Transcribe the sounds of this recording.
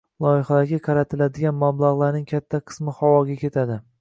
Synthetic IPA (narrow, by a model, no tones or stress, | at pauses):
lˠɒjɪχalaɾɡʲaqʰɑɾat̪ʰɪlad̪ɪɡʲanmablˠaʁlˠaɾnɪŋkʲʰat̪ʰːaqʰɨ̥smɪhɒwɒɡʲakʲe̞t̪ʰad̪ɪ